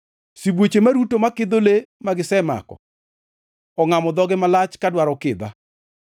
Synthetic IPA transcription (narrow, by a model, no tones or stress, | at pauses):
sibwot͡ʃemaɾutomakɪd̪olemaɡɪsɛma̰kɔ̰ | ɔŋamɔd̪ɔɡɛmalat͡ʃkadwaɾɔkɪd̪a̰